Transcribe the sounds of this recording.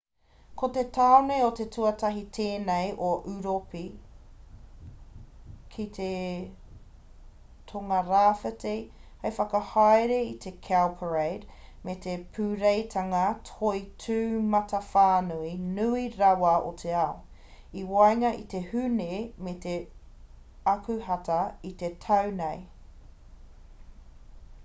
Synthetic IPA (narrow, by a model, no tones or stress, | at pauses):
kotetʰaonejot̪etʰuɐtɐɦit̪ʰeːnejʔoʔʉɾopi | kʰit̪ʰe | t̪ʰoŋɐɾaːfətehejfɐkɐhajɾeit̪ʰekʰɛlpʰəɹejdmetepʰʉɾejtʰɐŋɐtʰoitʰʉːmɐtɐfaːnuinuiɾɐwɐot̪ʰeao | iwajŋɐʔit̪e̞hʉnemet̪e | ɐkʉɦɐtɐit̪etʰɐwnej